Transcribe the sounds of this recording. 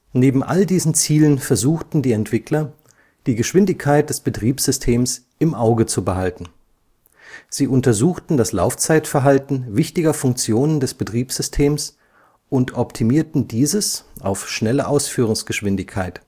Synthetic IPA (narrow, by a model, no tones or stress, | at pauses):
neːbm̩ʔa̰ldiːzn̩t͡siːlənfɛɐzuːxtn̩diːɛntv̥ɪklɐ | d̥iːɡəʃv̥ɪndɪçkʰaɪt̚d̥ɛsb̥ətʁ̥iːpsz̥ʏstʰeːms | ɪmʔaʊɡət͡subəɦaltn̩ | z̥iːʔʊntɐzuːxtn̩dasla̰ʊft͡saɪtfɛɐɦaltn̩vɪçtɪɡɐfʊŋkt͡sjoːnəndɛsb̥ətʁ̥iːpz̥ʏstʰeːms | ʔʊntʔɔptʰimiːɐtn̩diːzəsʔa̰ʊfʃnɛləʔaʊsfyːʁʊŋsɡ̥əʃv̥ɪndɪçkʰːaɪt